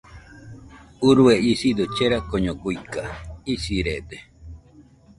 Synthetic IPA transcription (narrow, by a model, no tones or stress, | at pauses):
uɾueisid̪ot͡ʃeɾakoɲoɡujkaisiɾed̪e